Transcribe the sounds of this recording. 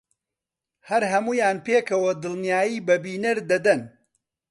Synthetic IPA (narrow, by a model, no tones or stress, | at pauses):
hɐɾɦɐmuːjaːnpeːkʰɐwɐd̪ɨlˠnijaːjiːbɐbiːnɐɾd̪ɐd̪ɐn